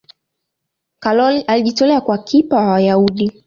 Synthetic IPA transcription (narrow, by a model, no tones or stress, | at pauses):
kalɔliʔaliʄitɔlɛakwakʰipaawajauɗi